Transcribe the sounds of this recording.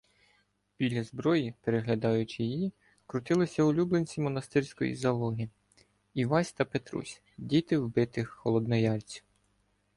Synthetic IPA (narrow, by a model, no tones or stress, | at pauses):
bʲilʲɐzbɾɔjipeɾeɦlʲɐd̪ɑjʊt͡ʃɪjji | kɾʊt̪ɪlˠɪsʲɐʊlʲublˠenʲt͡sʲimɔnɐst̪ɪɾʲsʲkɔjḭzɐlˠɔɦi | iʋɑsʲt̪ɐpet̪ɾṵsʲ | dʲit̪ɪwbɪt̪ɪxːɔlˠɔd̪nɔjɑlʲt͡sʲiw